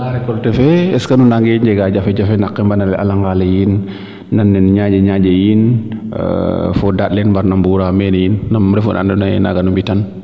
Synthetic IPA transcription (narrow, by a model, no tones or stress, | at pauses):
aɾɛkɔltɛfɛɛskanunaŋɡɛɲd͡ʒɛɡad͡ʒafɛd͡ʒafɛnakːɛmbanalɛ̰ʔa̰laŋɡalɛjinː | anːɛnɲad͡ʒaɲad͡ʒejin̰ | fɔdatlɛnmbaɾnambuɾamɛnejinːamɾɛfṵna̰nduna̰na̰ɡanumbitan